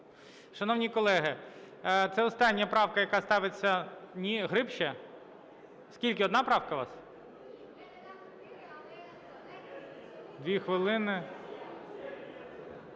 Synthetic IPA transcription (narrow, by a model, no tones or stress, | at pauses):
ʃɐnɔwnʲikɔlˠɛɦɪ | t̪sɛɔst̪ɑnʲːjɐpɾɑwkɐjɐkɑst̪ɑʋɪt͡sʲːɐnʲiɦɾɪpʃɛ | skʲilʲkɪɔd̪nɑpɾɑwkɐʋɑ̰s | d̪ʲʋʲixʋɪlˠɪnɪ